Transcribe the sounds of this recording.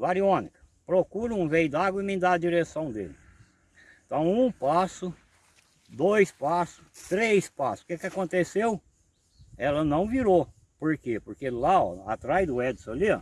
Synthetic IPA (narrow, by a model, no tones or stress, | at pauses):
vaɾiõnikɐ̥ | pɾokuɾʊ̃ũvejʊd̪aɡwɐimẽd̪aɐd͡ʒiɾesɐ̃w̃d̪ḛlɪ̃ | t̪ɐ̃w̃ũpasʊ | d̪ojspasʊ̥t̪ɾejspasskɛkɪakõnt̪esew | ɛlɐnɐ̃w̃viɾo | poɾkepoɾkelaɔ̰a̰t̪ɾajd̪ʊɛd̪ɪsõliɐ̰